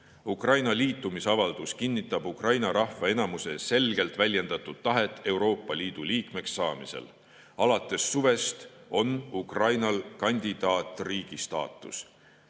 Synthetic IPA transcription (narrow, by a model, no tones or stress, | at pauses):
ukrɑjnɑliːt̪ːˑumisɑvɑld̪̥uskinʲːit̪ːˑɑb̥ukrɑjnɑɾɑhvɑe̞nɑmuse̞se̞lɡ̥e̞lt̪ˑvælʲje̞nd̪̥ɑt̪ːˑud̪̥t̪ːɑɦe̞t̪ːˑe̞wɾo̞ːpːˑɑliːd̪̥uliːkme̞ksːɑːmisḛl | ɑlɑt̪ːˑe̞sːuve̞st̪o̞nukrɑjnɑlkɑnʲd̪̥id̪̥ɑːt̪ˑriːɡ̥ist̪ɑ̰ːt̪ːˑus